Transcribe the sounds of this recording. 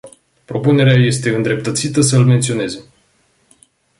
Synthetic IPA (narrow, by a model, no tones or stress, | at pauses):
pɾo̞pune̞ɾeaje̞st̪e̞ɨnd̪ɾe̞p̚t̪ət̪sit̪əsəɨlment̪sio̞ne̞ze̞